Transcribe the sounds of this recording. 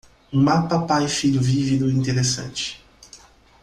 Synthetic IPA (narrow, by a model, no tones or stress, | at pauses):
ũmapɐpajifiʎʊvivid̪ʊĩnt̪eɾesɐ̰̃nt͡ʃɪ̥